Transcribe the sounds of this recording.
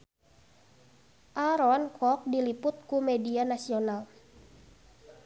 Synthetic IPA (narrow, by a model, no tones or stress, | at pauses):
ʔaɾɔnkɔk̚dilipʊt̪̚kumedianasional